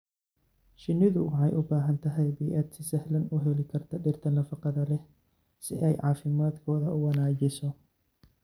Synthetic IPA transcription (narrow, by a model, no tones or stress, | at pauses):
ʃɪnːɪðʊʊħɑjʔʊbaːɦɐnt̪ʰɐɦɛjbijʔɐd̪sɪsɐhlɐnʊɦɛlɪkʰɐrt̪ʰɐɖɪrt̪ʰɐnɐfɑqɑðɐlɛ | sɪ̰ʔɛjʕɑ̰ːfɪmaːd̪kʰɔːðɐʊwɑnaːt͡ʃɪsɔ